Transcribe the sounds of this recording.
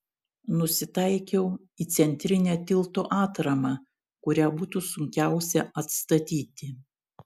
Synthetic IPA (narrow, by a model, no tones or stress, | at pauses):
nʊsʲɪt̪ɐɪkʲɛʊ | iːt̪sʲɛnʲt̪ʲɾʲɪnʲɛːt̪ʲɪlˠt̪oːʔɑːt̪ɾɐmɑː | kʊɾʲæːbuːt̪usʊŋʲkʲæˑʊsʲɛɐt̪st̪ɐt̪ʲiːt̪ʲɪ